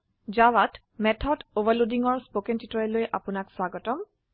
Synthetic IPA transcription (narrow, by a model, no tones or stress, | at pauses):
d͡ʒawad | mɛtʰɔdobalodiŋɔɹspokɛntitɔɛlojʔa̰pʊnakswaɡɔtɔm